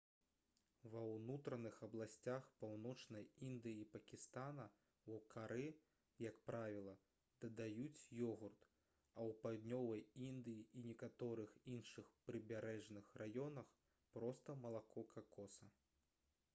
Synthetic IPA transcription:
vɐwnut̪ɾɐnɨxɐblˠasʲt͡sʲaxpawnɔt͡ʂnɐjind̪ɨjipɐkʲist̪anɐ | wkʰaɾɨ | jɐkpɾavʲilˠɐ | d̪̥ɐd̪ajut͡sʲjɔɣurt̪ | ɐwpad̪ʲnʲɔvɐjind̪ɨjiʔinʲɛkat̪ɔɾɨxinʂɨxpɾɨbʲaɾɛʐnɨxrajɔnɐx | pɾɔst̪ɐmɐlˠakɔkʰɐkɔsɐ

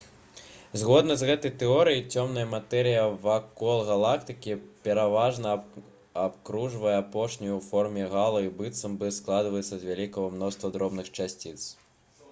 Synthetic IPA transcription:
zɣɔd̪nɐzɣɛt̪ɐjt̪ɛɔɾɨjit͡sʲɔmnɐjɐmat̪ɛɾɨjɐvakɔlˠɣalˠakt̪ɨkʲipʲɛɾavaʐnɐ | apkɾuʐvɐjɛapɔʂnʲijuwfɔrmʲɛɣalˠɐibɨt̪sɐmbɨsklˠad̪vɐjɛt̪sːɐzvʲalʲikɐvɐmn̪ɔst̪vɐd̪ɾɔbnɨxt͡ʂasʲt͡sʲit̪s

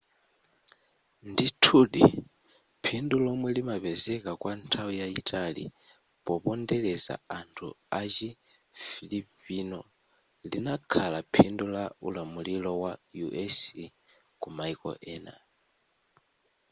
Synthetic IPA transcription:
nditʰuɗi | pʰindulɔmwɛlimaβɛzɛkʼakwantʰaujaitʼalḭ | pɔpɔndɛlɛza̰antʰṵ | at͡ʃi | filipʼinɔ | linakʰalapʰindulaulamulilɔwajuʔɛs | kʼumaikɔ̰ʔɛna̰

